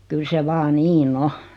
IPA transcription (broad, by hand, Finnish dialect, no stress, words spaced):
kyl se ʋɑː niːn o